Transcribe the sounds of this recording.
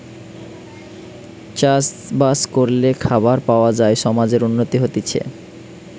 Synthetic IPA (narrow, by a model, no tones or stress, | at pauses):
t͡ɕas | baskoɾlekʰabaɾpaoad͡ʑaeʃɔmad͡ʑeɾunːot̪iɦot̪it͡ɕʰḛ